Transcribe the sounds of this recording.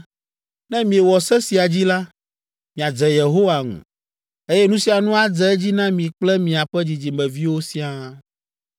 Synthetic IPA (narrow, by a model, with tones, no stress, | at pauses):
nɛ̃˦mĩ˨e˨wɔ˨sɛ˦si˨a˨d͡ʑi˦la˦ | mĩ˨a˨d͡zɛ˨je˨ɦo˦wa˨ŋṵ̃˨ | e˦jɛ˦nũ˦si˨˦a˨nũ˦a˨d͡zɛ˨ɛ˦d͡ʑi˦nã˦mĩ˨k͡plɛ˦mĩ˨a˨ɸɛ˦d͡ʑi˨d͡ʑi˨mɛ̃˨vi˦wo˦si˦ã˦